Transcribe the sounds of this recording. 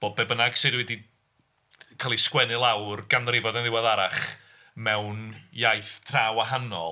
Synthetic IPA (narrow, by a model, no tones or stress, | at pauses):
b̥oːbɛbənaɡ̥sɨdwɛdi | kʰaːlˠiskwɛnɨlˠawrɡ̥anrɪvɔdanðɪwaðaɾaχ | mɛwnjajθtʰraːwaɦanɔ̰